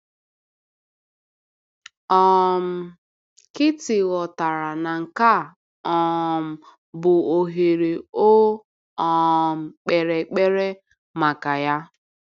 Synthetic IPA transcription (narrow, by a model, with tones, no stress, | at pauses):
ɔ˦m̩˨ | kɪ˦tɪ˨ɣɔ˨ta˨ɾa˨na˨ŋ̩˨ka˦˨ | ɔ˨m̩˨ | bʊ˨o˨ɦe˨ɾe˨o˦ | ɔ˨m̩˨k͡pe˨ɾe˨k͡pe˦ɾe˦ | ma˨ka˨ja˦